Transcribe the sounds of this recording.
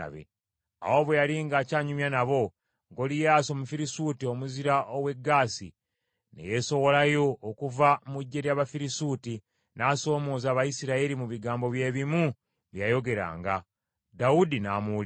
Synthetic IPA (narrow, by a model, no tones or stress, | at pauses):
a̰βḛ | a̰wo̞βwejaliŋɡaːcaːɲumjanaβo̞ | ŋɡolijaːso̞mufiɾisutio̞muziɾaʔowe̞ɡːaːsḭ | ne̞̰je̞so̞wo̞lajo̞ːkuvamuɟːe̞ɾjaβafiɾisuːti | naːso̞ːmo̞ːzaːβajisiɾaeɾimuβiɡaːmbo̞βje̞ːβimu | βjajo̞ɡe̞ɾa̰ːŋɡa | daudinaːmuːl